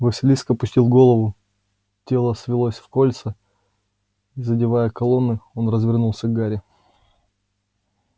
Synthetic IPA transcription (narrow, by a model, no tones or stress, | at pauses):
vəsʲɪlʲiskəpʊsʲtʲilˠɡo̞lˠəvʊ | tʲe̞lˠəsvʲɪlˠosʲfkolʲt̪sə | izədʲɪvajəkɐlˠo̞nːɨo̞nrəzvʲɪrnulˠsʲəɡɡaɾʲɪ